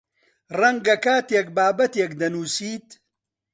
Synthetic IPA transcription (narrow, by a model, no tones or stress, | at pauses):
rɐŋɡɐkaːt̪eːk̚baːbɐt̪eːkd̪ɐnuːsiːt̪